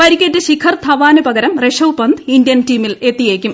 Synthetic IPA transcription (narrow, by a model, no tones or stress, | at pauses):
pɐɾikʲːɐtːeɕikʰɐrt̪ʰɐʋaːnupɐɣɐɾɐmreʂɐwpɐnd̪indjɐntiːmile̞t̪ːijeːkʲːum